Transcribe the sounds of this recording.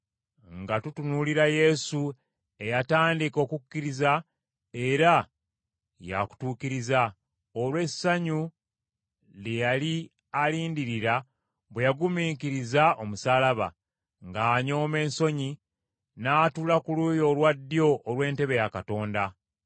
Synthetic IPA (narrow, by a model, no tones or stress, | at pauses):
ŋɡatutunuliɾaje̞su | e̞jataːndiko̞ːkukːiɾiza | e̞ɾa | ja̰ku̥tuːkiɾiza | olwe̞sːaɲu | lejali | aliːndiɾiɾa | βwe̞jaɡumiːkiɾizao̞musaːlaβa̰ | ŋɡaːɲo̞ːme̞ːnso̞ɲi | naːtulakulujo̞lwadːjo̞ʔːlwe̞ːnte̞βe̞jakato̞ːnda